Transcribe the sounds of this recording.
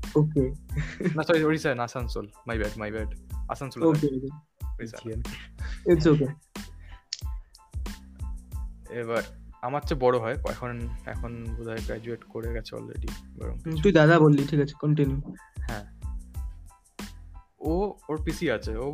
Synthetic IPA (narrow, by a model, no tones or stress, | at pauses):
okenasɔioɾisajnasansolmajbɛɖmajbɛɖa̰sansolokeoki | oɾisa̰net͡ʃok̬e | eβaamat͡ʃʰebɔɹoɦɔekɛ̰kʰonɛ̰kʰonbod̪ʱaeɡɹɛ̰d͡ʑueʈkoɹeɡɛt͡ɕʰeɔ̰lːḛɖiba̰ɹo̰mkit̪ujd̪ad̪abolːiʈʰikat͡ɕʰe̥kɔnʈinjuhɛ̃ | ooɹpisiat͡ɕʰeo